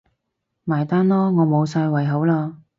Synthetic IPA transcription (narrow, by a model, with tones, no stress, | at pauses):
maː˨˩jt̪aː˥nlɔː˥ŋɔː˨˧mo˨˧wsaː˧jwɐ˨˩jɦo˨˥wlaː˧